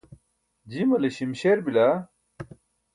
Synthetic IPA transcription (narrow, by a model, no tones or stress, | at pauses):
d͡ʑimɐleɕimɕeɾbila